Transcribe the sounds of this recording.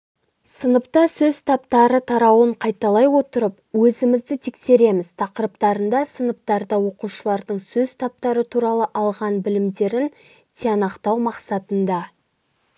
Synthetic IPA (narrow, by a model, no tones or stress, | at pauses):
sənəpt̪ɑsɵz̥t̪ʰɑpt̪ɑɾət̪ʰɑɾɑwəɴqʰɑjt̪ɑlˠɑjwo̞t̪əɾəp | wɵzɪmɪzd̪ɪt̪ʰekse̞ɾe̞mɪz̥t̪ʰɑqəɾpt̪ɑɾənd̪ɑsənəp̚t̪ɑɾd̪ɑwo̞quʃəlˠɑɾd̪əɴsɵzt̪ʰɑp̚t̪ɑɾət̪ʰuɾɑlˠəʔɑlˠʁɑnbɪlɪmd̪e̞ɾɪn | t̪ʲʰeɑnɑqt̪ɑwmɑqsɑt̪ənd̪ɑ